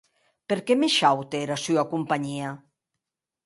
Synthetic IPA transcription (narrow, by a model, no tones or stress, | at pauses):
peɾkemeʃawt̪eɾasyakumpaɲia